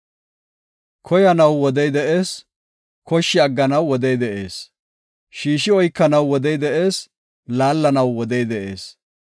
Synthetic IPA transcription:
kʰɔjɐnɐwːɔd̪ɛjd̪ɛʔe̞ːs | kɔʃːɪɐɡːɐnɐwːɔd̪ɛjd̪ɛʔe̞̰ːs | ʃiːʃɪɔjkːɐnɐwːɔd̪ɛjd̪ɛʔe̞ːs | laːlːɐnɐwːɔd̪ɛjd̪ɛʔe̞ːs

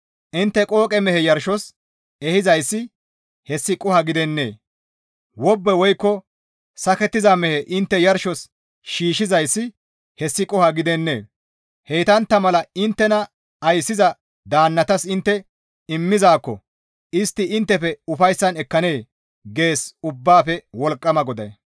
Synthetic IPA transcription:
ʔɪnt̪ːɛkʼo̞ːkʼɛmɛhɛjɐɾʃɔs | ɛhɪzɐjsːɪ | hɛsːɪkʼʊhɐɡɪd̪ɛnːḛː | wɔbːɛwɔjkːɔ | sɐkɛt̪ːɪzɐmɛhɛʔɪnt̪ːɛjɐɾʃɔs | ʃiːʃɪzɐjsːɪ | hɛsːɪkʼʊhɐɡɪd̪ɛnːḛː | hɛjt̪ɐnt̪ːɐmɐlɐɪnt̪ːɛnɐ | ɐjsːɪzɐ | d̪aːnːɐt̪ɐsɪnt̪ːɛ | ɪmːɪzaːkːɔ̰ | ɪst̪ːɪɪnt̪ːɛfɛʊfɐjsːɐnɛkːɐne̞ː | ɡe̞ːsʊbːaːfɛwɔlkʼːɐmɐɡɔd̪ɐj

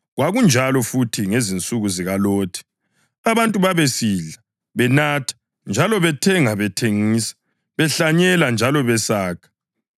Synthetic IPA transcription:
ɣwaɣund͡ʒʱalɔfutʰiŋezint͡sʼuɣuziɣaloːtʰi̥ | aβantʼuβaβesiːɮa | βɛnatʰḁ | nd͡ʒʱalɔβɛtʰɛŋaβɛtʰeŋiːsḁ | βɛɬaɲɛland͡ʒʱalɔβɛsaːkʰḁ

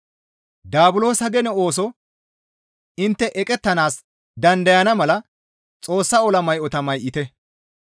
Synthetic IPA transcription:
d̪aːbʊlo̞ːsɐɡɛnɛo̞ːs̬ɔ | ɪnt̪ːɛʔɛkʼɛt̪ːɐnaːs | d̪ɐnd̪ɐjɐnɐmɐlɐ | t͡sʼo̞ːsːɐɔlɐmɐjʔɔt̪ɐmɐjʔɪt̪ɛ

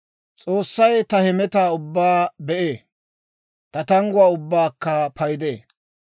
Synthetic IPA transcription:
t͡sʼo̞ːsːɐjt̪ɐhɛmɛt̪aːʊbːaːbɛʔeː | t̪ɐt̪ɐŋɡʊaːʊbːaːkːɐpɐjd̪eː

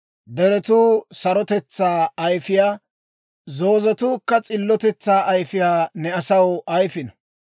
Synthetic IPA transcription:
d̪ɛɾɛt̪uːsɐɾɔt̪ɛt͡sːaːɐjfɪjaː | zo̞ːzɛt̪uːkːɐt͡sʼɪlːɔt̪ɛt͡sːaːʔɐjfɪjaːnɛɐsɐwɐjfɪnɐ

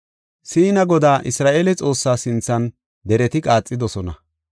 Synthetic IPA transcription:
siːnɐɡɔd̪aːʔɪsɾaːʔelɛt͡sʼo̞ːsːaːsɪnt͡sːɐn | d̪ɛɾɛt̪ɪkʼaːt͡sʼːɪd̪ɔsɔnɐ

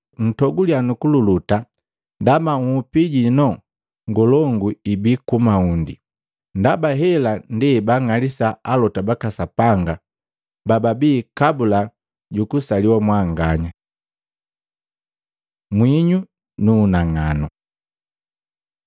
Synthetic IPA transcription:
n̩tɔɡulianukululuta | ndamaŋupiɟinɔ | ŋɡɔlɔŋɡuibikumaundḭ | ndabaɦɛlandɛbaŋalisaalɔtabakasapaŋɡa | bababiːkabula | ɟukusaliwamwaŋɡaɲa | mwiɲu | nunaŋanɔ

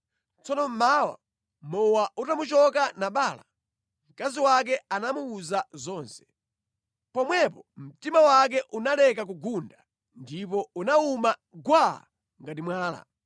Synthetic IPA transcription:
t͡sɔnɔm̩maːwa̰ | mɔwautamut͡ʃɔkanaɓaːla | m̩kaziwak̬ɛanamuːzazɔːnsɛ̥ | pɔmwɛpɔm̩timawak̬ɛʔunalɛkak̬uɡunda | ndip̬ɔunaumaɡwa | ŋɡatimwaːla̰

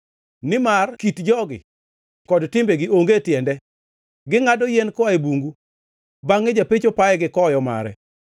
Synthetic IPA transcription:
nɪmarkitd͡ʒɔɡɪ̰ | kɔdtɪmbeɡɪoŋɡetjɛndɛ | ɡɪŋadɔjɛnkɔaebuŋɡu | baŋːed͡ʒapet͡ʃopaɛɡɪkɔjɔma̰ɾɛ̰

